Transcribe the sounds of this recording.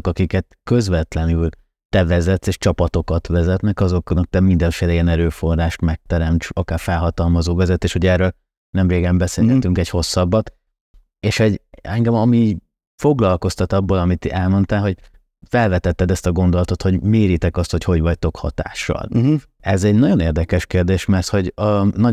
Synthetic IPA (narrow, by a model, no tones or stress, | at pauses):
okɒkikɛt̪kø̞zvɛt̪lɛnyl | t̪ɛvɛzɛt̪seːʃt͡ʃɒpɒt̪o̞kɒt̪vɛzɛt̪nɛkɒzo̞knɒk̚t̪ɛmind̪ɛɱfeːlɛiɛnɛɾøːfo̞rːaːʃt̪mɛk̚t̪ɛɾɛmt͡ʃɒkaːrfɛlɦɒt̪ɒlmɒzoːvɛzɛt̪ːeːʃho̞ɟɛːrøːl | nɛmreːɡɛmbɛseːlhɛt̪yŋkɛcho̞sːɒbːɒt̪ | eːʃhoɟɛŋɡɛmɒmi | fo̞ɡlɒlko̞st̪ɒt̪ɒbːolɒmit̪ɛlmo̞nt̪aːlɦo̞ɟ | fɛlvɛt̪ɛt̪ːɛd̪ɛst̪ɒɡo̞nd̪olɒt̪o̞t̪ho̞ɟmeːɾit̪ɛkɒst̪ho̞cho̞ɟvɒct̪o̞khɒ̰t̪a̰ːʃːɒ̰l | ɛzɛɟnɒɟo̞neːrd̪ɛkɛʃkeːrd̪eːʃmɛrt̪ho̞ɟɒnɒ